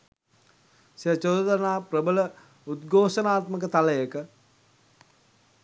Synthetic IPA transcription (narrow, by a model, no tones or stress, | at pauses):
sijət͡ʃod̪d̪ənaːprəbələ | ud̪ɡoːʃənaːt̪mək̬ət̪aləjəkə